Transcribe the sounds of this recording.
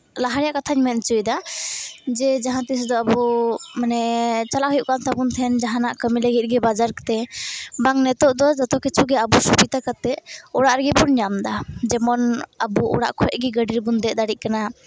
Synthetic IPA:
laɦaɾɛjaʔkat̪ʰaɲmɛn̚t͡ʃujd̪a | d͡ʒɛd͡ʒaɦãt̪is̬d̪ɔabumanɛt͡ʃalaʔɦujuʔkant̪ʰabunt̪ʰɛnd͡ʒaɦãnaʔkəmiləɡit̪̚ˀɡɛbad͡ʒaɾkt̪ɛbaŋnɛt̪ɔʔd̪ɔd͡ʒɔt̪ɔkɛt͡ʃʰuɡɛabusubit̪akat̪ɛɔɽaʔɾɡɛbuɾɲamd̪ad͡ʒɛmɔnabuɔ̰ɽa̰ʔkʰɔɛʔ̚ɡɛɡəɖiɾbund̪ɛʔd̪aɽiʔ̚kana

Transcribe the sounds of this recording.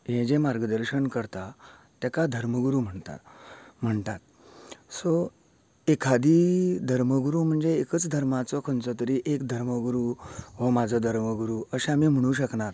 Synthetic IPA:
ɦẽd͡ʑemaɾɡəd̪əɾɕəɳkəɾt̪a | t̪jakad̪ʱəɾməɡuɾuːm̤əɳt̪a̰m̤əɳt̪at̪̚ | sɔ | ekʰad̪iːd̪ʱəɾməɡuɾum̤əɳd͡zeːkət͡sd̪ʱəɾmat͡sɔkʰənt͡sɔt̪əɾiʔekd̪ʱəɾməɡuɾuɦɔmad͡zʱəd̪ʱəɾməɡuɾuəɕeamim̤əɽ̃uːɕəknaɾ

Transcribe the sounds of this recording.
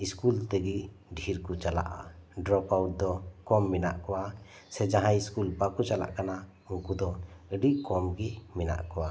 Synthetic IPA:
iskult̪ɛɡi | ɖʱiɾkɔt͡ʃala̰ʔa̰ɖɾɔpawʈ̚d̪ɔkɔmːɛna̰ʔkɔwa | sɛd͡ʒaɦãjiskulbakut͡ʃala̰ʔkana | uŋkud̪ɔəɖiʔkɔmɡimɛna̰ʔkɔwa

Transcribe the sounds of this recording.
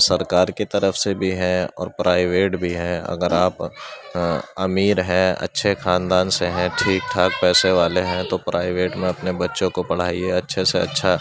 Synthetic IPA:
sɐɾkaːɾkit̪ɐɾəfsebʱiɦɛ̃ɔ̰ːɾpɾʔaːɪʋeːʈbʱiɦɛ̃ɐ̰ɡəɾaːp | ɐmiːɾɦɛ̃ːɐ̰tːʃʰexaːnd̪aːnseɦɛ̃ʈʰiːk̚ʈʰaːk̚pɛːseʋaːleɦɛ̃t̪opɾʔaːɪʋeːʈmẽɐpnebɐtːʃõkopɐɽ̤aːieɐtːʃʰeseɐ̰tːʃʰa

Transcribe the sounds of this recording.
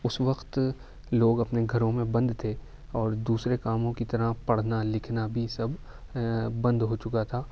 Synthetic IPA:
ʊsʋɐqt̪ | loːɡɐpneɡʱɐɾõmẽbɐ̃nd̪t̪ʰe | ɔːɾd̪uːsɾekaːmõkit̪ɐɾapɐɽ̤nalɪkʰnabʱisɐbʱː | ɐ̃nd̪ɦot͡ʃʊkat̪ʰaː

